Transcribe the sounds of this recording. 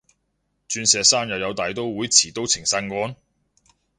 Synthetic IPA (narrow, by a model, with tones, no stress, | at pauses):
t͡ʃyː˧nsɛː˨˧saː˥njɐ˨˧wjɐ˨˧wt̪aː˨˩jt̪o˥wwuː˨˥jt͡sʰiː˨˩t̪o˥wt͡sʰɪ˨˩ŋsɐ˧˥nkɔː˥n